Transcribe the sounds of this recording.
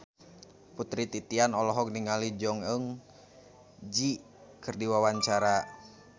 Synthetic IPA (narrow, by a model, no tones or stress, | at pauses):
put̪ɾit̪it̪ianɔlɔɦɔk̚niŋalid͡ʒɔŋəŋ | d͡ʒi | kɨrdiwawaɲt͡ʃaɾa